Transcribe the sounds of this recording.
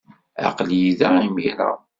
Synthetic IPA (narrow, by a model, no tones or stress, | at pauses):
a̰qljiðaimiɾa̰